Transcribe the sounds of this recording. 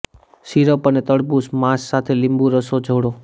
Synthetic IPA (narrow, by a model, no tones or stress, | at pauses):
siɾəpənet̪əɽbusmãsːat̪ʰelimbũɾəsod͡ʒʱəɽo